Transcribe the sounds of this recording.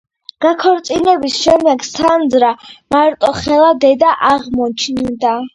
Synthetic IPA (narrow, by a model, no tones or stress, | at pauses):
ɡ̥akʰɔɾt̪sʼinɛbisʃɛmd̪ɛɡsand̪zɾamaɾt̪ʼɔχɛlˠad̪ɛd̪aʔaʁmɔt͡ʃʰnd̪a